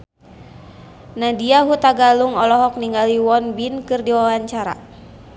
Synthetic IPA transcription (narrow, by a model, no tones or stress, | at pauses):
nadiaɦut̪aɡaluŋɔlɔɦɔk̚niŋɡaliwɔnbinkɨrdiwawaɲt͡ʃaɾa̰